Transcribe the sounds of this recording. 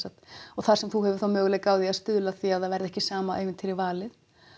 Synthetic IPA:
sat̪ɔɣθaɾ̥sɛmθuhɛvʏ̥ɾθawmœːɣlɛkaːwðiaðst̪ʏðlaθiaðθaðvɛɾðɛhcɪsaːmaʔejvɪnt̪ʰɪɾivaːlɪð

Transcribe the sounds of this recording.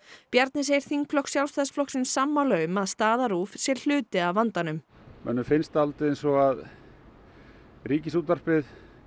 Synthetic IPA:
pjaɾt̪nɪs̬ejɾ̥θiŋkʰlɔksjawlst̪aðsflɔksɪnsːaːmːalœːɣʏmaðst̪aːðaɾuːfsjɛll̥ʏːt̪ɪaðvant̪anʏm | mɛ̰nːʏfɪnst̪alt̪ɪðensɔɣað | ɾiːcɪsut̪ar̥pɪð

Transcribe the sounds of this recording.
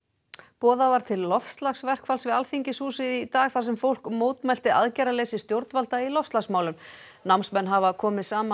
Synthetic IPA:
pɔːðavaɾ̥t̪ʰɪlːɔfst̪laxsvɛr̥kʰfalsvɪalfiɲcɪsuːsɪðit̪aːɣθaɾ̥sɛmfowl̥kmoːwt̪mɛjl̥t̪ɪaðcajɾaleːjsɪst̪jowɾt̪nvalt̪ailɔfst̪laxsmaːwlʏm | nawmnsmɛnːɦavakʰɔːmɪðsaːma

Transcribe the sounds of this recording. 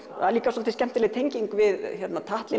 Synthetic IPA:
aliːkasɔlt̪ɪscɛm̥t̪ɪlɛðt̪ʰejɲciŋkvɪðçɛɾt̪nat̪ʰaht̪lɪ

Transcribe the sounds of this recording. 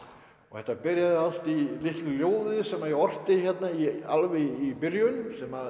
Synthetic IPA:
ɔɣθɛht̪ːapɪɾjaðʏal̥t̪ilɪht̪lɪljoːwðɪðsɛmːaðiɔr̥t̪ɪçɛt̪naialvɪipɪɾjʏnsɛma

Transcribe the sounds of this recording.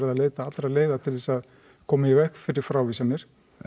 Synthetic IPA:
ɾaðaleːjt̪aat̪ɾaleːjðat̪ʰɪlθɛsað | kʰɔːmɪjɛvɛhkfɪɾɪɾ̥fɾawviːsanːɪɾ̥

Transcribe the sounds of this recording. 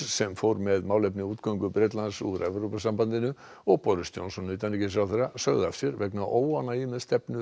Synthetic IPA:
sɛmfowɾmɛðmawlepnɪuːt̪kœŋkʏbɾɛt̪lansuɾʔɛvɾupasambant̪ɪnʏ | ɔɣpɔɾʏst̪jɔ̰nsɔnːʏːt̪anɪcɪs̬awθɛɾasœɣðafsɪɾvɛknaʔoːwanaimɛðst̪ɛpnʏ

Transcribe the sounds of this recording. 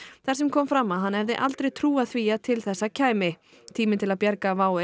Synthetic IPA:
θaɾ̥sɛmkʰɔːmfɾamːaðɦanːɛvðɪʔalt̪ɾejt̪ʰɾuːaðθviːat̪ʰɪlθɛsːacʰaːjmɪ | t̪ʰiːmɪt̪ʰɪlaðpjɛɾkavaːwɪ

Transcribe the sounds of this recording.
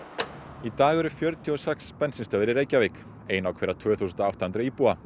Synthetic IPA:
it̪aːɣɛɾʏfjœɾt̪ʰjʏɔsɛkspɛnsɪnst̪œːðɪɾɪɾeːjcavek | eːjnawkʰvɛːɾat̪ʰvœːθuːsʏnt̪ɔawht̪ahʏnt̪ɾaiːpua

